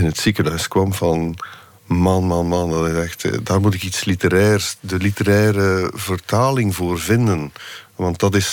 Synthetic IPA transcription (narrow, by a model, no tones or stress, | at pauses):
ɪnətsikəɦœɥskwɑmvɑn | maːnmaːnmɑːndɑtɪzɛxtdaːrmut̬ɪkitslitəɾɛːrsdəlitəɾɛːɾəvərtaːlɪŋvoːrvɪndənʋɑnt̚dɑtɪs